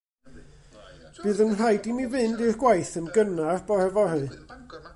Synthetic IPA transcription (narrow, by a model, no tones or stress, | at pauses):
b̥ɨːðənr̥ajdimivɨndirɡ̥wajθənɡənarb̥ɔhɛvɔrɨ